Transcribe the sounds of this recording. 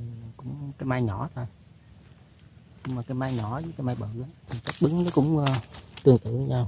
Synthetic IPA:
kʊ̰˧˥ŋ͡mkaː˨˦jmaː˧jɲɔ˧˩˦t̪ʰo˧j | ɲɨ˧ŋmaː˨˩kaː˨˦jmaː˧jɲɔ˧˩˦zɨ˧˨˦kaː˨˦jma˧jɓə̰ː˧˨˩lɨ˨˦ŋt̪ʰi˨˩t͡ɕə˦˥t̚ɓɨ˨˦ŋɗe˨˦kʊ̰˧˥ŋ͡mt̪ɨ˨˩əŋt̪ɨ̰˧˨˧ɲaː˧w

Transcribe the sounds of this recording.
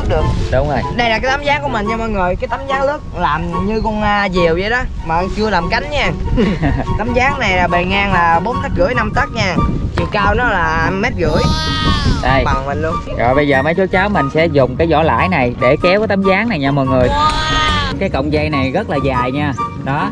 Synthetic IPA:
k̚ɗɨ˨˩ək̚ɗʊ˨˦ŋ͡mo˨˧˩jɗə˧jlaː˨˩aː˨˦t̪a˨˦mzaː˨˦ŋku˧˩əmï˨˩ŋ̟ɲaː˧mɔː˨˩jŋɨ˨˩əjkaː˨˦jt̪a˨˦mzaː˨˦ŋlɨ˦˥ək̚laː˨˩mɲɨ˧kɔ˧ŋː˧zi˨˩əwzə˧˩jɗɔ˨˦ | maː˨˩˧t͡ɕɨ˧əlaː˨˩mka˨˦jŋ̟ɲaː˧ | t̪a˨˦mzaː˨˦ŋna˨˩jlaː˨˩ɓe˨˩ŋaː˧ŋlaː˨˩ɓo˨˦˥n̚t̪ʰa˦˥k̚ɣɨ̰˧˥əjna˧mt̪ə˦˥k̚ɲaː˧t͡ɕwḭ˧˨ənkaː˧wnɔ˨˦laː˨˩mɛ˦˥t̚ɣɨ̰˧˩˥əj | ɗə˧ja˨˩wmï˨˩ŋ̟lu˧ənɣɔ̰˧˨˩jɓə˧jzəː˨˩mə˨˦jt͡ɕo˨˦t͡ɕaː˨˦˥wmï˨˩ŋ̟sɛ̰˧˥zʊ˨˩ŋ͡mkaː˨˦jzɔ̰˧˥la̰ː˧˥jna˨˩jɗe˧˩kɛ˨˦wkaː˨˦jt̪a˨˦mzaː˨˦ŋna˨˩jɲaː˧mɔː˨˩jŋɨ˨˩əj | kaː˨˦jkə̰˧˨wŋ͡mza˧jna˨˩jɣə˦˥t̚laː˨˩zaː˨˩jɲaː˧ɗɔ˨˦

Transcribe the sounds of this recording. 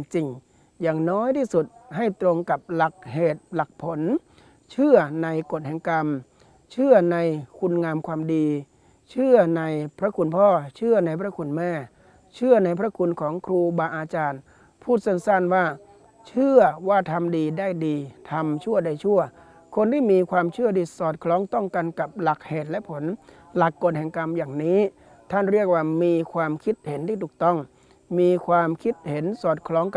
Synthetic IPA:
ŋt͡ɕi˧˩ŋ | jaː˨˩ŋnɔː˦˥jt̪ʰiː˥˩su˨˩t̪̚ha˥˩jt̪ɾo˧ŋka˨˩p̚la˨˩k̚heː˨˩t̪̚la˨˩k̚pʰo˨˩˦n | t͡ɕʰɯ˥˩ɐna˧jko˨˩t̪̚hɛ˨˦ŋka˧m | t͡ɕʰɯ˥˩ɐna˧jkʰu˧nŋaː˧mkʰwaː˧mdiː˧ | t͡ɕʰɯ˥˩ɐna˧jpʰɾa˦˧˥kʰu˧npʰɔː˥˩t͡ɕʰɯ˥˩ɐna˧jpʰɾa˦˥˩kʰu˧nmɛː˥˩ | t͡ɕʰɯ˥˩ɐna˧jpʰɾa˦˥kʰu˧nkʰɔː˩˦ŋkʰɾuː˧baː˧ʔaː˧t͡ɕaː˧n | pʰuː˥˩t̪̚se˥˨nsa˥˩nwaː˥˩ | t͡ɕʰɯ˥˩ɐwaː˥˩t̪ʰa˧mdiː˧daː˥˩jdiː˧t̪ʰa˧mt͡ɕʰu˥˩ɐda˧˩jt͡ɕʰu˥˩ɐ | kʰo˧nt̪ʰiː˥˩miː˧kʰwaː˧mt͡ɕʰɯ˥˩ədiː˧˩sɔː˨˩t̪̚kʰlɔː˦˥ŋt̪ɔ˥˩ŋka˧nka˨˩p̚la˨˩k̚heː˨˩t̪̚lɛ˦˥ʔpʰo˩˦n | la˨˩kːoː˧nɦɛː˨˩ŋka˧mjaː˨˩ŋniː˦˥ | t̪ʰa˥˩nɾi˥˩ək̚waː˥˩miː˧kʰwaː˧mkʰi˦˥t̪̚he˩˦nt̪ʰiː˥˩t̪ʰuː˨˩k̚t̪ɔ˥˩ŋ | miː˧kʰwaː˧mkʰi˦˥t̪̚he˩˦nsɔː˨˩t̪̚kʰlɔː˦˥ŋka˩

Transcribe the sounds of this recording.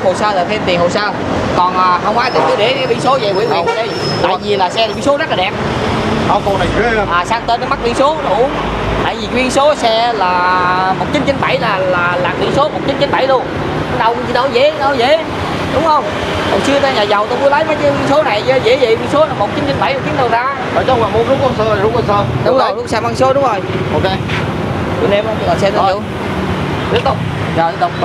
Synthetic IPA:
ho˨˩jsaː˧laː˨˩t̪ʰe˧mt̪i˨˩nɦo˨˩jsaː˧ | kɔ˨˩nʔaː˨˩hə˧wŋ͡mʔaː˧jt̪e˧nkɨː˨˦ɗe˧˨˦ɓi˧ənso˨˦zə̰˨˩wḭ˧˥əna˨˩wa˨˦ɗə˧j | t̪a̰ː˧˨˧jvi˨˩laː˨˩sɛ˧li˧˦nso˨˦na˦˥t̚lːa˨˩ɗɛ˨˩p̚ə˧wko˧na˨˩jʔaː˨˩saː˧ŋt̪e˧nə˨˦ma˦˥ɓḭ˧ənso˨˦ɗu˧˩ən | t̪a̰ː˧˨jzi˨˩kwi˧ənso˨˦sɛ˧˦laː˨˩mo˨˩t̚t͡ɕi˨˦nt͡ɕə˨˦nɓa˧˩jlaː˨˩laː˨˩laː˨˩t̪ḭ˨˧˩nso˨˦mo˨˩t̚t͡ɕi˨˦nt͡ɕə˨˦nɓa˧˩jɗo˧ | a˨˦ɗə˨˩wkːt͡ɕḭ˧˦ɗə˧˦wzḛ˧˦˧wzḛ˧˨˦ | ɗʊ˨˦ŋ͡mhə˧wŋ͡m | kɔ̰˨˩ŋ͡msɨ˧ət̪aː˧ɲaː˨˩za˨˩wt̪o˧ku˨˦lə˨˦jma˨˦jkkwi˧ənso˨˦na˨˩jzə˧˩zḛ˧˨˦zə̰˧˨kwi˧nso˨˦laː˨˩mo˨˩t̚t͡ɕi˨˦nt͡ɕə˧˦nɓa˧˩˦jm̚˨˩t͡ɕi˨˦nɗə˨˩wzaː˧ | ɔ̰˨˩ɔ˧˦waː˨˩m˨˧˦ɗʊ˨˦ŋ͡mho˧ŋ͡msə˧˨˩zʊ˨˦ŋ͡mwi˧˩saː˧wɗʊ˨˦ŋ͡mzo˨˩jjɗʊ˨˦˥ŋ͡msɛ˧mwso˨˦ɗʊ˨˦ŋ͡mo˨˩jʔo˧˨ke˧ | kṵ˧˨ne˧m˧laː˨˩sɛ˧t̪ə˨˩˨ | t̪i˦˥k̚t̪ʊ˦˥k͡p̚ | zɔ˨˩jɗə˨˧˩

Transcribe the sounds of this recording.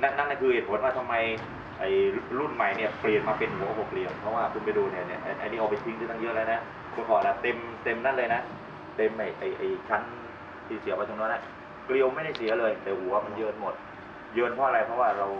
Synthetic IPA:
na˦˥nːa˦˥na˧˥˩kʰɯ˧he˨˩t̪̚ʰo˨˩˦nwaː˥˩t̪ʰa˧mːa˧j | ʔa˨˩jɾu˥˩nma˨˩jni˥˩ɐpli˨˩ənmaː˧pe˧nhu˨˩˦ʔa˧˩bo˧˩kli˧əwpʰɔ˦˥waː˥˩kʰɯ˧npa˧jduː˧ni˥˩ɐnḭ˦˥˩ɐʔa̰˧ʔa̰˧niː˦˥ʔa˧˩pa˧jt̪ʰi˦˥ŋd̪ɯ˧˥˩t̪a˧ŋjɯː˦˥˨laː˧na˦˥ | kʰɔː˧kʰɔː˨˩la˦˥t̪e˧mt̪e˧mna˦˥˩lɤː˧jna˦˥ | t̪e˧mʔa˨˩jʔa˨˩jʔa˨˩jt͡ɕʰa˦˥n | t̪ʰiː˥˩si˨˦ɐpa˧jt̪o˧ŋnɔː˦˥nːʔa˧˩ | kli˧əwma˥˩jda˥˩jsi˨˦ɐlɤː˧jt̪ɛː˨˩huː˨˩˦waː˥˩ma˧njɤː˧nmo˨˩t̪̚ | jɤː˧npʰɔ˦˥ʔa˧ɾa˧jpʰɾɔ˦˥waː˥˩ɾa˧w

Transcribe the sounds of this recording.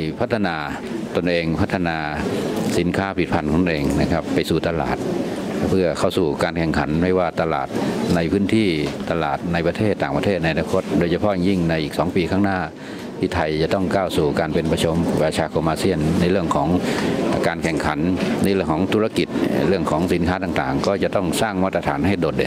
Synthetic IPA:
jpʰa˦˥t̪ʰːa˧naː˧ | t̪o˧nʔeː˧ŋpʰa˦˥t̪ʰːa˧naː˧si˨˩˦nkʰaː˦˥pʰi˨˩t̪̚pʰa˧˩nkɔː˩˦t̪ʔeː˧ŋna˧˩kʰa˦˥pːa˧jsuː˨˩t̪a˧la̰ː˨˩t̪̚pʰɯ˥˩ɐkʰa˥˩wsuː˨˩kaː˧nkʰɛ˨˩ŋkʰa˩˦nma˧˩jwaː˧˩t̪a˧la̰ː˨˩t̪̚na˧jpʰɯː˦˥nt̪ʰiː˥˩t̪a˧la̰ː˨˩t̪̚na˧jpa˧t̪ʰeː˥˩t̪ːaː˨˩ŋpa˧t̪ʰeː˥˩t̪̚na˧ja˧naː˧kʰo˦˥t̪̚doː˧jt͡ɕʰa˧pʰɔ˧˥˨ja˧˩ŋji˧˥˩ŋna˧jʔiː˨˩k̚sɔː˩˦ŋpiː˧kʰaː˥˩ŋnaː˧˥˩ | t̪ʰiː˧˩t̪ʰa˧˩jt͡ɕa˨˩t̪ɔ˧˥˩ŋkaː˧˩wsuː˨˩kaː˧npe˧npa˧t͡ɕʰu˧˥m˩paː˧t͡ɕʰaː˧kʰo˧mʔaː˧si˧˥˩ənːa˧˥jlɯ˥˩əŋkʰɔː˩˦ŋː˨˧kaː˧nkʰɛ˨˩ŋkʰa˨˦nːa˧˥˩jlɯ˥˩əŋkʰːŋt̪ʰuː˧la˧ki˨˩t̪̚ɾɯ˥˩əŋkʰɔː˨˦ŋsi˨˩˦nkʰaː˦˥t̪aː˨˩ŋt̪a̰ː˨˩ŋkɔː˧˩t͡ɕa˨˧ʔt̪ɔ˧˩ŋsaː˥˩ŋmaː˧˥t̪̚ːa˧t̪ʰaː˨˦nha˥˩jdoː˨˩t̪̚

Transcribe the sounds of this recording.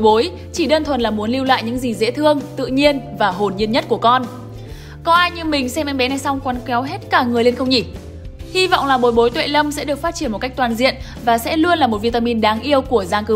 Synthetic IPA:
jɓo˨˦j | t͡ɕi˧˩ɗəː˧nt̪ʰwə˨˩nlaː˨˩mu˨˦ənli˧wla̰ː˧˨jɲɨ̰˧˥ŋzi˨˩zḛ˧˥t̪ʰɨ˧əŋt̪ɨ̰˧˨ɲi˧ənvaː˨˩ɦo˨˩nɲi˧ənɲə˦˥t̚ku˧˩əkɔ˧n | kɔ˧ʔaː˧jɲɨ˧ŋmï˨˩ŋ̟sɛ˧mʔɛ˧jŋɓɛ˨˦na˨˩jsa˧wŋ͡mkwaː˨˦nka˨˦wɦe˦˥t̚kaː˧˩ŋɨ˨˩əjle˧nxə˧wŋ͡mɲi˧˩ | hi˧vɔ̰˧˨wŋ͡mlaː˨˩ɓo˨˩jɓo˨˦jt̪wḛ˧˨lə˧msɛ̰˧˥ɗɨ˨˩ək̚faː˦˥t̚t͡ɕi˧˩ənm˨t̚ka˦˥k̚t̪waː˨˩nzḭ˧˨ən | vaː˨˩sɛ̰˧˥lu˧ənlaː˨˩mo˨˩t̚vi˧t̪aː˧mi˧nɗaː˨˦ŋʔi˧əwku˧˩əzaː˧ŋkɨ˨˦

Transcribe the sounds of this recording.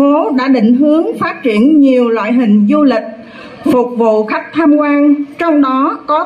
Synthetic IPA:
o˨˦ɗa̰ː˧˥ɗḭ̈˧˨ŋ̟ɦɨ˨˦əŋfaː˦˥t̚t͡ɕi˧˩ənɲi˨˩əwlwa̰ː˧˨jɦï˨˩ŋ̟zu˧lï˨˩k̚ | fʊ˨˩k͡p̚vṵ˧˨xa˦˥k̚t̪ʰaː˧mkwaː˧nt͡ɕɔ˧wŋ͡mɗɔ˨˦kɔ˨˦

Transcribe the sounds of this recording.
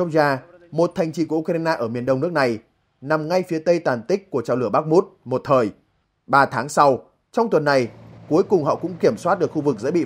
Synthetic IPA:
zaː˧mo˨˩t̚t̪ʰa˨˩jŋ̟t͡ɕḭ˧˩ku˧˩˨ʔu˧k̚a˧naː˧ʔəː˧˩mi˨˩ənɗə˧wŋ͡mnɨ˦˥ək̚na˨˩j | na˨˩mŋa˧jfi˨˦ət̪ə˧jt̪aː˨˩nt̪ï˦˥k̟̚ku˧˩ət͡ɕaː˧˩wlɨ˧˩əɓaː˦˥k̚mu˦˥t̚mo˨˩t̚t̪ʰəː˨˩j | ɓaː˧˩t̪ʰaː˨˦ŋsa˧w | t͡ɕɔ˧wŋ͡mt̪wə˨˩nːa˨˩jku˨˦əjkʊ˨˩ŋ͡mhɔ̰˧˨kʊ̰˧˥ŋ͡mki˧˩əmswa˦˥t̚ɗɨ˨˩kxu˧vɨ˨˩k̚zə̰˧˥ɓḭ˧˨

